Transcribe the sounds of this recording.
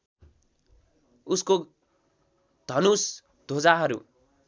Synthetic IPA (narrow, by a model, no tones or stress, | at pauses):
usko | d̪̥ʱʌnus | d̪̥ʱod͡zaɦʌɾṵ